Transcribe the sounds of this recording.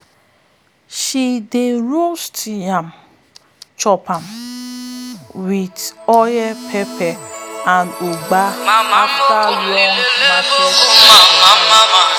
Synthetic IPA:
ʃideɾostjam | t͡ʃɔpam | widɔjɛpʰepɛandoɡ͡baatalɔnadɔ

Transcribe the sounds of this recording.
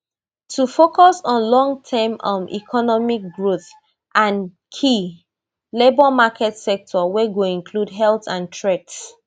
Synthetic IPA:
tʰufokɔsɔ̃nlɔ̃ŋtʰɛmɔ̃nʔḭkʰɔnɔmik̚ɡɹoθ | ʔãn | kʰi | lebɔmakʰɛtsɛk̚tʰɔwɛɡoĩnkʰludɦɛltãntʰɹɛts

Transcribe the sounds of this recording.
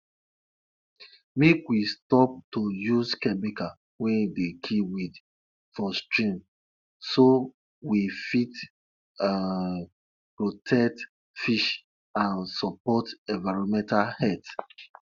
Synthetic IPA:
mekwistɔp̚tojuzkɛmikal | wɛ̃ndekʰiwid | fɔstɹĩm | so | wifit | pɹotʰɛk̚t | fiʃ | ãnsɔpɔtɛ̃nvaɹɔ̃mɛ̃ntalhɛt

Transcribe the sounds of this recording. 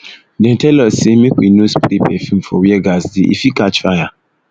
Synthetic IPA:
dɛ̃n̩tɛlɔsemĩkʷḭnospɾipɛfim̩fɔ̰wiɛɡasdiʔḭfikat͡ʃfaja

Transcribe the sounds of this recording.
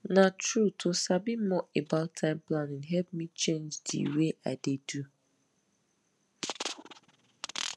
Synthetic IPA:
nãtʰɹutʰosabimɔʔebaltʰãɪ̃mpʰlãnɪ̃ɦɛlpmĩt͡ʃʰẽnd͡ʒdḭweʔa̰dedu

